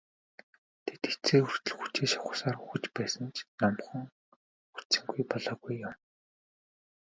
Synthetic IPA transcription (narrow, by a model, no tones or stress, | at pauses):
t̪ʰet̪xet͡sʰeːxur̥t̪ɵ̆ɮxu̥t͡ɕeːʃawχə̥̆saːruxɘ̆t͡ɕpæːsə̆nt͡ɕʰnɔmχɞ̆ŋ | xu̥t͡sɘ̆ŋɡujpɔɮɔːɣujːʊm